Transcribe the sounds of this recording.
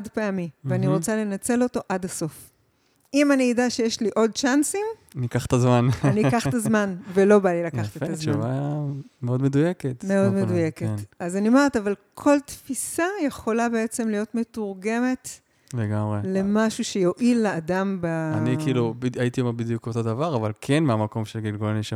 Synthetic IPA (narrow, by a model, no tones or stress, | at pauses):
adpeamieaniʁot͡sale̞nat͡se̞lo̞to̞ʔadaso̞f | ʔimaniːdaʃe̞jeʃliʔo̞d̚t͡ʃansimanikaχt̪azmananikaχtazmanvelo̞balilakkaχḁt̪eazmavameo̞dmedujeket̪meo̞d̪meduje̞keazanimeʁt̪avalkʰoltfisajeχo̞labe̞e̞t͡se̞mlijo̞t̪me̞tuʁɡeme̞t | leɡamʁele̞maʃuʃe̞jo̞ʔilːaːdambaanikiːlubiait̪iomabid̪jukoto̞d̪avaʁavalkʰenmeamako̞mʃelɡilɡolaniʃa